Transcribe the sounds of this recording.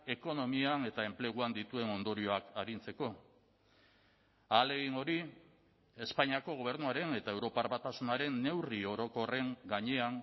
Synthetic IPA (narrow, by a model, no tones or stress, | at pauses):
e̞ko̞no̞miane̞t̪ae̞mple̞ɣ̞uand̪it̪ue̞no̞nd̪o̞ɾio̞akaɾint͡se̞ko̞ | aːle̞ɣiŋo̞ɾi | e̞spaɲiako̞ɣ̞o̞β̞e̞ɾnuaɾe̞ne̞t̪ae̞wɾo̞paɾβat̪asunaɾe̞nːe̞wrio̞ɾo̞ko̞re̞ŋɡaɲe̞aŋ